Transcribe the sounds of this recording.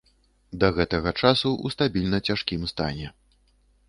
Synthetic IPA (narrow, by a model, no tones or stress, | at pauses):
d̪ɐɣɛt̪ɐɣɐt͡ʂasuʔust̪abʲilʲnɐt͡sʲaʂkʲimst̪a̰nʲɛ